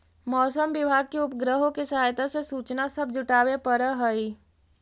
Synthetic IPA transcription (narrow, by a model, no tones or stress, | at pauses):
mɔːsəmʋɪbʱaːɡ̚keʊpɡɾəɦõkisəɦaːjt̪asesuːt͡ʃnasɐbd͡ʒʊʈaːʋepəɾəɦəi